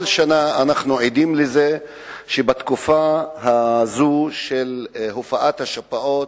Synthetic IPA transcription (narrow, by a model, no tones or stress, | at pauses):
lʃanaanaχnuʕid̪imleze | ʃebat̪kufaɦazuʃelɦofaʔat̪haʃapaʔo̞t